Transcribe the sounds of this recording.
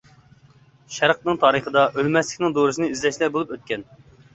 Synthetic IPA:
ʃæɾq̪nɨŋt̪ʰɑːɾəχəd̪ɑʔølmɛslɪkʲnɪŋd̪oɾɨsɨnɨyzlɛʃlɛbolˠupøt̪̚kʲɛn

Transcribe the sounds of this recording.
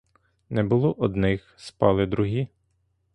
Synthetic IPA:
nɛbʊlˠɔʔɔd̪nɪxspɑlˠɪd̪ɾʊɦi

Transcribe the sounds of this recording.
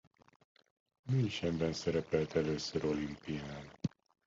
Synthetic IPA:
minʃɛmbɛnsɛɾɛpɛlt̪ʰɛløːsøɾo̞limpijnal

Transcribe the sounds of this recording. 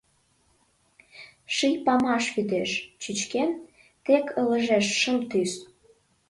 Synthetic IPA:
ʃijpɑmɑʃβyd̪eʃt͡ɕyt͡ɕken | t̪ekʰələʒeʃːəmt̪ys

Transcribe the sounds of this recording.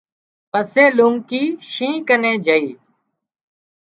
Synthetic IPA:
pəseːluŋkiːʃĩːkənẽːd͡ʒʱəiː

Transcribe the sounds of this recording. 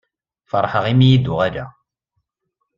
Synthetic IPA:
fəɾˤħəʁimijid̪ʊʁæɾæ̰

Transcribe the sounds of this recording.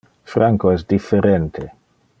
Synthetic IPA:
fɾaŋkoɛsd̪ifːeɾɛnt̪ʰe

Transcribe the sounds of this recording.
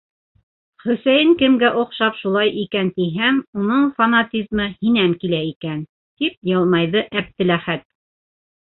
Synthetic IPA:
χɵ̆sæjɘŋkɘ̆mɡæʔŏqʃɑpʃulˠɑjʔikænt̪iɦæmunɤɴfɐnat̪ʲizmɤhinæmkilæikæn | t̪ip̚jɤlˠmɑjðɤʔæb̚t̪ɘ̆læχæt̪̚

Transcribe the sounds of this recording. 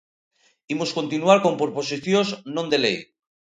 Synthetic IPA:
imoskont̪inuaɾko̞mpoɾposiθjoznõnd̪e̞lḛj

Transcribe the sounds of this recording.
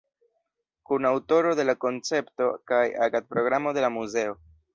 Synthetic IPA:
kunawto̞ɾo̞de̞lako̞nt͡se̞pto̞kaja̰ɡat̚pɾo̞ɡɾamo̞de̞lamuze̞o̞

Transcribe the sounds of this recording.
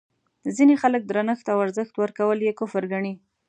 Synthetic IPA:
zinexalək̚d̪ɾanəxt̪awaɾzəxt̪wəɾkawəljekʊfəɾɡaɳi

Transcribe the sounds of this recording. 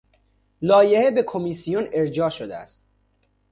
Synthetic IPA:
lɒːjehebe̞kʰomisijone̞ɾd͡ʒɒːʃod̪eæ̰st̪̚

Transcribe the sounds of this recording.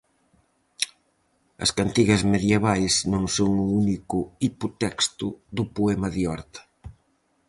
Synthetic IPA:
ɐ̰skant̪iɣɐzmeðjeβ̞ajznõŋsoŋuunikʊipot̪ɛkst̪ʊðʊpoɛmɐðiɔɾt̪ɐ̥

